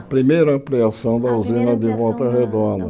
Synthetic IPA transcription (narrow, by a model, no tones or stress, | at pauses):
pɾimejɾɐɐ̃pliasɐ̃w̃d̪ɐuzĩnɐd̪ɪvɔwt̪ɐhed̪õd̪ɐ